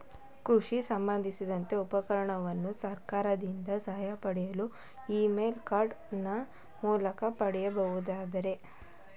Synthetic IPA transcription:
kɾuʂisɐmbɐnd̪ʱisid̪ɐnt̪e̞upɐkɐɾɐɳɐʋɐnːusɐɾkaːɾɐd̪ind̪ɐsɐɦɐjɐpɐɽɛjɐlu | iːmeːlkaːɾɖnɐ | muːlɐkɐpɐɽɛjɐbɐʋud̪aːd̪ɐɾe̞

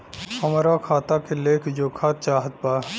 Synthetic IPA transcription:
həmɾakʰaːt̪akeleːkʰd͡ʒoːkʰaːt̪̚t͡ʃaːɦət̪̚paː

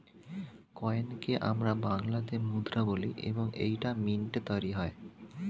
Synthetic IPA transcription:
kɔenkeʔamɾabaŋlad̪emud̪ɾaboliʔḛboŋḛjʈaminʈet̪ɔɾiɦɔe

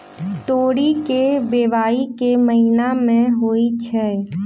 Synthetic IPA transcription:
t̪oːɽikebeːʋaːikeməɦinamẽɦoːit͡ʃʰɛː

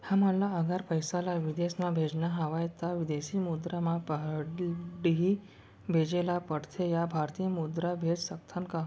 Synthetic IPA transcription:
haməlaəɡʱaɾpəjsalaʋid̪esmãbʱed͡ʒnaɦaʋajt̪aʋid̪esimud̪ɾamapəɦ | ɖɦi | bʱed͡ʒelapəɽt̪ʰejabʱaɾt̪ijəmud̪ɾabʱed͡zsəkt̪ʰanka

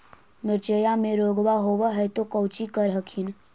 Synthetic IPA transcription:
mɪɾt͡ʃəjamẽɾoːɡʋaɦoːwəɦɛt̪okəwt͡ʃikəɾɦəkʰin

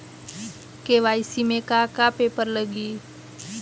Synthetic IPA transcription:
keʋaːisimẽkakapeːpəɾləɡiː

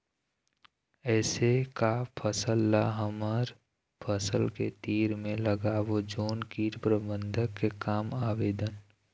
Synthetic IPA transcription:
ɛːsekapʰəsəlːaɦəməɾ | pʰəsəlkḛt̪iːɾmẽləɡaːʋod͡ʒoːnkiːɾpɾəbə̃nd̪ʱəkːekaːmaːʋeːd̪ən

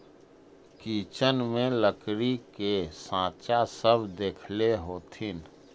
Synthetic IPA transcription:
kiːt͡ʃənmẽləkɾikesãːt͡ʃasəbʱd̪eːkʰleɦoːt̪ʰin

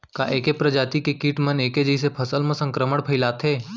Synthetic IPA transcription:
kaʔeːkepɾɐd͡ʒaːt̪ikekiːʈməneːked͡ʒəɪs̬epʰəsəlmə̃sə̃ŋkɾəməɽpʰɐɪlaːt̪ʰeː

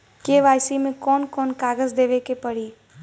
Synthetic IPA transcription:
keːʋaːjsimẽkɔːnkɔːnkaːɡəzd̪eːʋekepɐɽiː

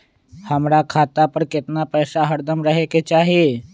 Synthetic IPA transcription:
həmɾakʰaːt̪apəɾkɪt̪napɛːsaɦəɾd̪əmɾəɦeket͡ʃaːɦie

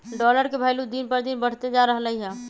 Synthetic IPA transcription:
ɖɔləɾkebʱaɪlud̪inpəɾd̪inbəɽ̤t̪ed͡ʒaɾəɦələɦiɦɛ̃

